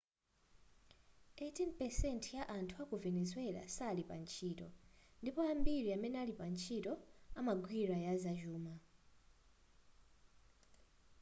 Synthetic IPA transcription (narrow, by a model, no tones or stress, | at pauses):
etʰinpɛsɛntʰjaʔantʰuakuvɛnɛzwɛla̰salipa̰nt͡ʃʰiːtɔ̰ndipɔambiɾiamɛnɛalipant͡ʃʰitɔamaɡʱwiɾajazaʒuːma